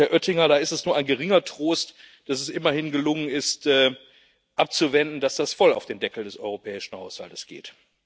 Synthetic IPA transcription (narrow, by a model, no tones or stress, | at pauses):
ɛɐʔœtɪŋɐɾaːɪstɛsnuːɐʔaɪnɡəʁ̞ɪŋɐtʁ̥oːst | d̥as̬ɛsʔɪmɐhɪnɡəlʊŋənɪstʔɛː | ʔap̚t͡suvɛndn̩dasd̥asfɔla̰ʊfd̥eːmdɛkl̩dɛsʔɔ̰ʏʁ̞opʰɛːɪʃn̩haʊsha̰ltəsɡ̥ḛːt